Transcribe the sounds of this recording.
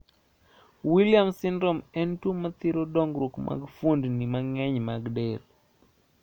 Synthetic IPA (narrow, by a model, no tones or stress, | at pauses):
wiljamsɪndɾɔmɛntumat̪ɪɾodɔŋɡɾokma̰ɡfundnimaŋɛɲmaɡdɛl